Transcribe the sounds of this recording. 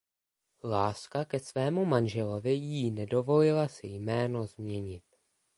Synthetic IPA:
laːskakɛsvɛːmumanʒɛlo̞vɪjinɛdo̞vo̞lɪlasɪjmɛːno̞zmɲɛɲɪt̪̚

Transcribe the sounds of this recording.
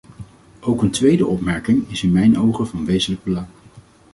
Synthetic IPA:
ʔowkəntʋejdəʔɔpmɛɹkɪŋɪsɪnmɛjnowχəvɑnʋejzələɡ̚bəlɑŋ

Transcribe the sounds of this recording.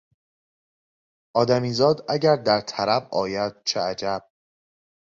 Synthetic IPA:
ʔɒːd̪æmiːzɒːd̪æɟæɾd̪æɾt̪ʰæɾæbʔɒ̰ːjæd̪̥̚t͡ʃʰeæd͡ʒæb̥̚

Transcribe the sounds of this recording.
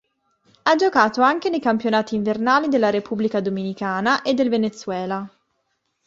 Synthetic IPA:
ad͡ʒokaːt̪oaŋkenejkampjonaːt̪iːɱvernaːlid̪elːaɾepublikad̪ominikaːnaʔed̪ːelvenet̪sːwɛːla

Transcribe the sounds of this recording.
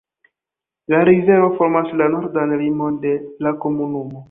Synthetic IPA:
laɾize̞ɾvo̞fo̞ɾmaslanoɾdanlimo̞nde̞lako̞munumo̞

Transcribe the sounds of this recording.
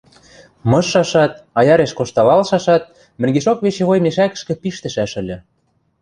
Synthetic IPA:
mɤ̆ʃːɑʃɑt̪̚ɑjɑɾeʃkoʃt̪ɑlɑlʃɑʃɑt̪̚ | mɘ̆rɡeʃokβeʃĕɣojmeʃækə̥̆ʃkɘ̆piʃt̪ə̆ʃæʃə̆lʲɘ̆

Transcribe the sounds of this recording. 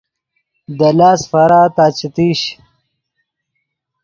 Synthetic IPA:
d̪ɐlaːsfɐɾaːt̪aːt͡ɕit̪iːɕ

